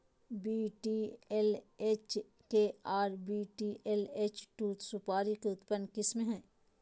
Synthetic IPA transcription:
biːʈiːeleːt͡ʃ | keaːɾbiːʈiːʔeleːt͡ʃʈuːt̪sʊpaːɾikeʊt̪pənːkɪsmẽɦɛ̃ː

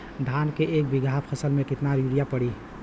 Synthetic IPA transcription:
d̪ʱankeʔek̚biɡʱappʰəsəlmekit̪naɾiɽijapəɽi

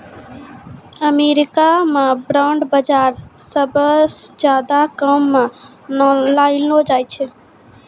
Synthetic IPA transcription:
əmeɾɪkamẽbɾaɳɖbəd͡ʒaɾ | səbd͡ʒjad̪akəmːẽ | lailnod͡ʒaːjt͡ʃʰɛ

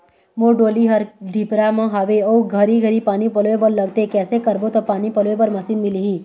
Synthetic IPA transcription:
moɖoːliɦɐɾɖʱipɾamə̃ɦaʋeouɡʱəɾiɡʱəɾipaːnipəlʋebəɾləɡt̪ekɛːsekəɾbot̪ɔpaːnipəlʋepəɾmɐsiːnmiliɦĩː

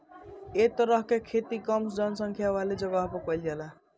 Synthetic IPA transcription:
et̪ʌɾʌɦkekʰet̪ikʌmd͡zʌnsʌŋkʰjawaled͡ʒʌɡaɦpɔkʌjlɡela

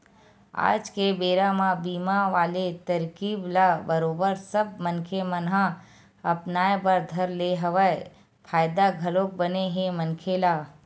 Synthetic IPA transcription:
a̰ːd͡ʒkebeːɾamãbiːmaʋaːlet̪əɾkiːblabəɾoːbəɾsəb̚mənkʰemənɦã | ɐpnaːebəɾd̪ʱəɾleɦəʋəe | pʰaːjd̪aɡʱəlok̚bəneɦemənkʰelaː

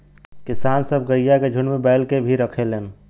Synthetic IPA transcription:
kɪsaːnsəb̚ʱɡəjjaked͡ʒʱʊɳmebɛɪlkebʱiɾəkʰelen

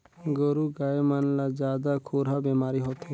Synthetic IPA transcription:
ɡɔɾuɡaemanlad͡ʒaːd̪akʰoɾɦabemaɾiɦɔt̪ʰe

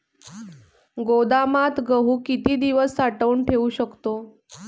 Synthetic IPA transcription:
ɡod̪amat̪ɡəɦuːkit̪iːd̪iʋəsːaʈəuːɳʈʰeuɕəkt̪o

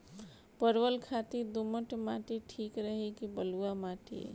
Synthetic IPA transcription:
pəɾwəlkʰat̪id̪uməʈmaʈiʈʰiːkɾəɦekibəluamaʈḭ

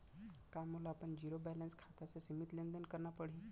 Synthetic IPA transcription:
kajmolaːpəɳd͡ʑiɾobɛlenskʰat̪asesimit̪lend̪ənkəɾɳapəɽ̤i

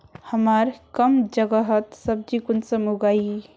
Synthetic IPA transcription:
həməɾkəmd͡ʒəɡəɦət̪səb̚d͡ʒikunsəmuɡai

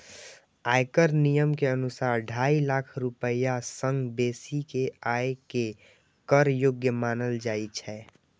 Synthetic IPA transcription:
aːjkəɾnijəmkeənʊsaːɾɖʱaːilakʰɾʊpəjasə̃ŋɡbeːsikeaːeke | kəɾjʊɡjəmaːnəld͡ʒaːit͡ʃʰɛː

